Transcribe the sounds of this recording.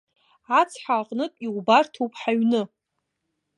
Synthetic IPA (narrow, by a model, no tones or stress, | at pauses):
at͡sʰħaqʼnɨtʼiwbartʰowpʰʼħaɥnɨ